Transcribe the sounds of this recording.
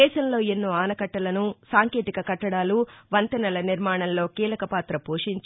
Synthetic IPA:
ɛːʃɐmlo̞ːenːuːaːnɐkɐʈːɐlɐnusaːŋke̞ːt̪ikɐkɐʈːɐɽaːluʋɐnt̪ɐnɐlɐniɾmaːɳɐmlo̞ːkiːlɐkɐpaːt̪ɾɐpoːʂiɲt͡ʃ

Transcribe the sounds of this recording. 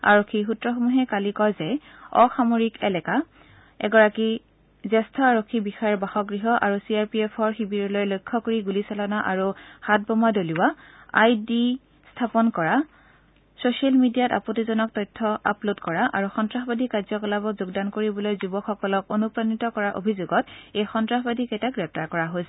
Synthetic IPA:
a̰ɹokʰːixutɹɔxomuɦɛkalikɔjzɛ | ɔ̰xamoɹikɛlɛka | ɛ̰ɡɔɹaki | zɛstʰɔaɹokʰːibixajɛɹbaxɔɡɹiɦɔʔaɹusiaɹpiɛpʰɔɹxibiɹɔlojlojkʰːɔkoɹiɡulisalɔnaʔaɹuhat̚bɔmadoliwaajdi | stʰapɔnkɔɹa | sosialmidijata̰potizɔnɔk̚tɔjtʰːɔʔa̰plodkɔɹaʔaɹuxɔntɹaɦɔbadikazɔkɔlabɔzuɡdankoɹibɔlojzubɔkxɔkɔlɔkonupɹanitɔkɔɹaʔo̰bʱizʊɡɔtejxɔntɹaxɔbadʱikɛjtaɡɹɛp̚taɹkɔɹaɦojsɛ

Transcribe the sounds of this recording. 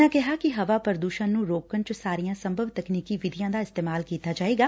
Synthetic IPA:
ɛ̃ːkɛɦaːkɪɦəʋaːpəɾəd̪uːʃənnũːɾoːkənt͡ʃəsaːɾijãːsəmbʱəʋt̪əkniːkiːʋɪd̪ijãːd̪aːɪst̪eːmaːlkiːt̪aːd͡ʒaːeːɡaː

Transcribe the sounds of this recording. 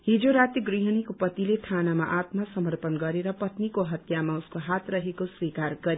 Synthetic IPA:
ɦid͡zoɾat̪jʌɡriɦʌnikopʌt̪ilet̪ʰanamaʔat̪masʌmʌrpʌnɡʌɾeɾʌpʌt̪nikoɦʌt̪jamauskoɦat̪rʌɦekoswikarɡʌɾi

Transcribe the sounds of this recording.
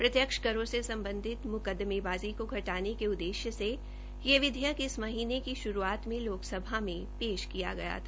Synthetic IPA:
pɾɐt̪jəkʃkɐɾõsesɐ̃mbə̃nd̪ʱɪt̪mʊkəd̪ːmebaːzikoɡʱɐʈaːnekeʊd̪ːeːʃjəse | jeʋɪd̪ʱjəkɪsmɐɦiːnekiʃʊɾuaːt̪mẽloːksɐbʱamẽpeːʃkija̰ɡɐja̰t̪ʰaː

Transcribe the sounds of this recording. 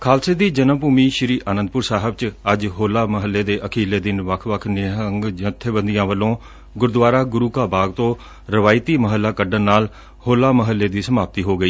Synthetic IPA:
kʰaːlseːd̪iːd͡ʒənəmpuːmiːʃɾiːʔaːnə̃nd̪̚pʊɾsaːɦəbt͡ʃəd͡ʒɦoːlaːməɦəlːeːd̪eːʔəkʰiːleːd̪ɪnʋəkʰʋəkʰnɪɦəŋɡd͡ʒət̪ʰebənd̪ijãːʋəlõː | ɡʊɾd̪ʋaːɾaːɡʊɾuːkaːbaːɡt̪õː | ɾɪʋaːɪt̪iːməɦəlːaːkəɖənnaːl | hoːlaːməɦəlːeːd̪iːsəmaːp̚t̪iːɦoːɡəiː

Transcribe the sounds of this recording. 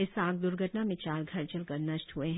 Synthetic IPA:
ɪsaːɡ̚d̪ʊɾɡʱəʈnamẽt͡ʃaːɾɡʱɐɾt͡ʃəlkɐɾnɐʃʈɦueɦ

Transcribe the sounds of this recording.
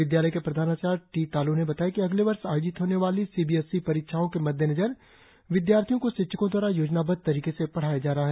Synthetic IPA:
ʋɪd̪jaːləjkepɾɐd̪ʱaːnat͡ʃaːɾʈiːt̪aːlunebɐt̪aːjakiɐɡleʋɐɾʃaːjoːd͡ʒɪt̪ɦoːneʋaːlisiːbiɛsːipɐɾɪːkʃaːõkemɐd̪ʱjənɐd͡ʒəɾ | ʋɪd̪jaːɾt̪ʰijõkoʃɪtːʃʰəkõd̪waːɾajoːd͡ʒnabɐd̪̚t̪ɐɾiːkesepɐɽ̤aːjad͡ʒaːɾɐɦaɦɛ

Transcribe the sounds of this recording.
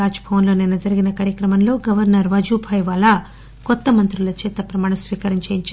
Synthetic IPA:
aːd͡ʒɐbʱɐʋɐnlo̞ːninɐd͡ʒɐɾiɡinɐkaːɾjɐkɾɐmɐnlo̞ːɡɐʋɐɾnɐɾʋɐd͡ʒuːbʱʰɐjʋɐlɐ | kɔt̪ːɐmɐnt̪ɾulɐt͡ʃeːt̪ɐpɾɐmaːɳ̃ɐsʋiːkɐɾiɲt͡ʃɐːjiɲt͡ʃ

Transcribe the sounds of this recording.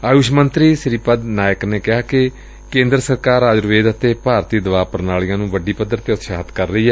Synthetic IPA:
aːjʊʃmənt̪ɾiːsɾiːpəd̪naːjəkneːkɪɦaːkɪ | kẽːnd̪ɾəsəɾkaːɾaːd͡ʒɾʋeːd̪ət̪eːpaːɾt̪iːd̪əʋaːpəɾnaːɭĩjãːnũːʋəɖiːpəd̪əɾt̪eːʊt̪ʃaɦət̪kəɾːəiːɦɛː

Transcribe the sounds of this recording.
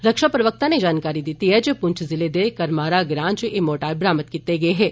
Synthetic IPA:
ɾɐkʃapɾəʋək̚t̪aned͡ʒaːnkaːɾid̪iːt̪iɦɛd͡ʒeːpʊ̃ɲt͡ʃʰzɪled̪eːkɐɾmaːɾaɡɾãːnt͡ʃʔemoːʈaːɾbɾaːmət̪̚kit̪ːeɡɐeɦɛ̃ː

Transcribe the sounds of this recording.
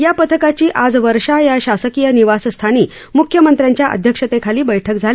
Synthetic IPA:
japət̪ʰəkat͡ɕiːʔad͡zʋəɾʂajaɕasəkijəniʋasst̪ʰaniː | mukʰjəmənt̪ɾjãɲt͡ɕjaʔə̰d̪ʱjəkʂət̪ekʰaliːbəjʈʰək̚d͡zʱali

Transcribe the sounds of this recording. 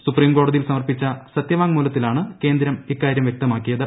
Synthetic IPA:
supriːmko̞ːɽɐðijilsɐmɐrpit͡ɕːɐsɐt̪jɐʋaːŋmuːlɐt̪ːilaːɳɨke̞ːnd̪ɾɐmikːaːɾjɐmʋjek̚t̪ɐmaːkːijɐðɨ

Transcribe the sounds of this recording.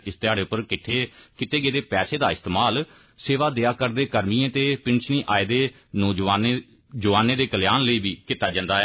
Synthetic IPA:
ɪst̪ɪjaːɽeːʊpːəɾkɪʈʰːeːkɪt̪eːɡeːd̪eːpɛːseːd̪aːɪst̪eːmaːl | seːʋaːd̪eːaːkəɾd̪eːkəɾmiːẽːt̪eːpɪnt͡ʃʰniːʔaːed̪eː | noːd͡ʒaːn | d͡ʒəʋaːneːd̪eːkəljaːnləiːbʱiːkɪt̪ːaːd͡ʒə̃nd̪aːɦɛ

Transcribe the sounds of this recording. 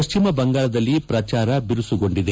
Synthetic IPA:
ɐʃt͡ʃimɐbɐŋɡaːɭɐd̪ɐlːipɾɐt͡ʃaːɾɐbiɾusuɡo̞ɳɖid̪e

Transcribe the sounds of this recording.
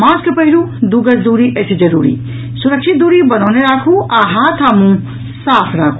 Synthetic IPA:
mãːskepɐɦiɾud̪uɡɐsd̪uːɾiʔɐsed͡ʒɐɾṵːɾḭ | suɾɐkʃʰit̪̚d̪uːɾibɐnɔːneɾaːkʰuaɦat̪ʰamũ | saːpʰɾaːkʰu

